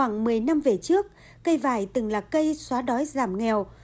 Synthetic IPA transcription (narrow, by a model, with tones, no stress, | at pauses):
waː˧˩ŋmɨ˨˩əjna˧mve˨˩t͡ɕɨ˦˥ək̚ː | ə˧jvaː˧˩jt̪ɨ˨˩ŋlaː˨˩kə˧jswaː˨˦ɗɔ˨˦jzaː˧˩mŋɛ˨˩w